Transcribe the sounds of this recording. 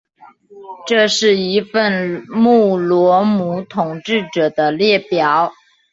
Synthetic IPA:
ʈ͡ʂɤ˥˧ʂɻ̩˥˩i˧˥fə˥˧nmu˥˩lwɔ˧˥mu˧˥t̪ʰʊ˨˩ŋʈ͡ʂɻ̩˥˩ʈ͡ʂɤ˨˩d̪ə˦ljɛ˥˩pjɑ˨˦ʊ

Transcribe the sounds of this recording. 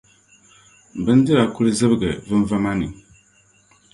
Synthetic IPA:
bɨ˦n˦dɨ˦ɾa˨ku˦ɾɨ˦zɨ˦bɨ˦ɡɛ˨vɨ˦n˦va˦ma˦nɨ̰˨

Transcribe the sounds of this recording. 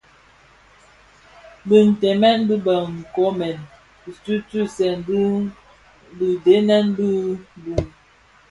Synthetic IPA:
bə˨n̩˨tɛ˨mɛ˦n˦bi˦ba˨ŋ̩˨kɔ˨˦mɛ˨n | i˨tu˦tu˦˨sɛ˨n˦ | bi˨de˨˦nɛ˦n˦bi˦bu˨ŋ

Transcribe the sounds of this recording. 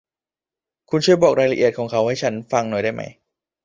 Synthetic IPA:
kʰu˧nt͡ɕʰu˥˩jbɔː˨˩k̚ɾaː˧jla˧ʔi˨˩t̪̚kʰɔː˩˦ŋkʰa˦˥wha˥˩jt͡ɕʰa˦˥nfa˧ŋnoː˨˩˦jda˥˩jma̰˦˥j

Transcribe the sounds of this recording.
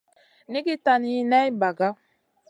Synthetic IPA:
ni˦ɡi˦ta˨ni˨˦ne˦i˦ba˨ɡa˦

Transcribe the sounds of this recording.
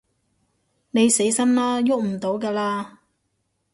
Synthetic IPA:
ne˨˧jse˨˥jsɐ˥nlaː˥jʊ˥k̚m̩˨˩t̪o˨˥wkaː˧laː˧

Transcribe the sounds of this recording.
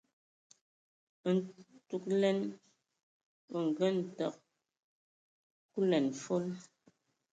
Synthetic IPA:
n̩˨tu˨k̚lɛ˦n | pɔ˨ŋ̩˨ɡə˦n̩˨tɔ˨k̚ | ku˦lɛ˨nfo˦l

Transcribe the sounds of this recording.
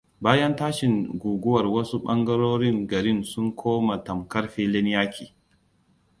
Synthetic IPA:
baː˦jɐ˦ntaː˦ʃɪ˨ŋɡʷuː˨ɡʷʊ˦wɐ˨rwɐ˦su˦ɓɐ˦ŋɡɐ˦ɾoː˦ɾɪ˦ŋɡɐ˨ɾɪ˦nsʊ˦ŋkʷʰoː˦ma˨tɐ˨mkɐ˦ɽɸiː˦lɪ˦n˦jaː˦kʲiː˨

